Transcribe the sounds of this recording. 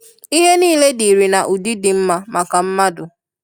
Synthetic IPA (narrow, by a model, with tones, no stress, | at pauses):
i˦ɦe˦niː˦˨le˦di˨ɾi˨na˨ʔu˨di˦dɪ˨m̩˦ma˦ma˨ka˨m̩˦ma˦dʊ˨